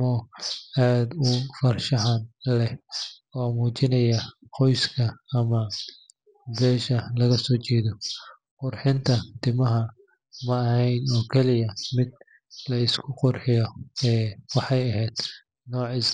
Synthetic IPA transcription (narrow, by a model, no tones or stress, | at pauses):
mɔaːd̪ʊfɐrʃɐɦanlɛɔːmuːt͡ʃɪnɐjɐ | qɔjskʰɐːmɐ | bɛːʃɐlɐɣɐsɔːt͡ʃɛːðɔ | qʊrħɪnt̪ʰɐt̪ɪmɐɦɐ | mɐːɦɛjnɔːkʰɛlɪjɐmɪd̪̚ | lɐɪskʰʊqʊrħɪjɔɛːwɑħɑjɐɦɛd̪̥ | nɔːʕis